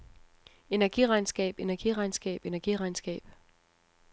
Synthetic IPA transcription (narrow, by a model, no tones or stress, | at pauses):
e̝næɐɡ̥iʁɑ̈ɪnsɡ̥ɛ̰ːb̥e̝næɐɡ̥iʁɑ̈ɪnsɡ̥ɛ̰ːb̥e̝næɐɡ̥iʁɑ̈ɪnsɡ̥ɛ̰ːb̥